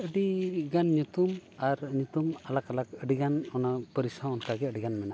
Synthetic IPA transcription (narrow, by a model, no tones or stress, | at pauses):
əɖiɡanɲut̪umaɾɲut̪umalakalakəɖiɡanɔnapəɾisaɔnkaɡɛəɖiɡanmɛna